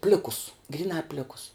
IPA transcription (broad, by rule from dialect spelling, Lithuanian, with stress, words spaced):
ˈpʲlʲɪkʊs ɡrʲiːˈnɑː ˈpʲlʲɪkʊs